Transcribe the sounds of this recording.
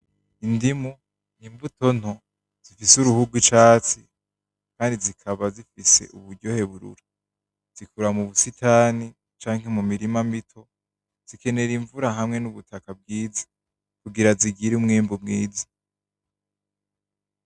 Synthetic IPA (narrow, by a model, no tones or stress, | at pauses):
indimu | n̥imbuto̞n̥ho | z̥ifisuɾuhuɡwit͡ʃaːt͡si | kaːndizikʰaβazifise̞̰ʔṵβuɾɟo̞he̞βuɾṵɾḁ | z̥ikuɾamuβusitʰaːni | t͡ʃaːŋɦe̞mumiɾimamitʰo̞ | z̥ike̞ne̞ɾiɱvuɾaɦamŋe̞nuβutʰakab̚ɡiːzḁ | kuɡiɾaziɡiɾumŋeːmbumŋiːzḁ